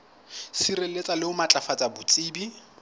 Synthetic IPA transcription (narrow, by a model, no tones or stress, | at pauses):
sirelet͡sʼalɪʊmat͡ɬʼafat͡sʼabʊt͡sʼiːbi